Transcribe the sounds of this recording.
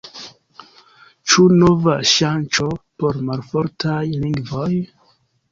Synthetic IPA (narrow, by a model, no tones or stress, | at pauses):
t͡ʃunovaʃant͡ʃo̞po̞ɾmalfoɾtʰajliŋɡvoj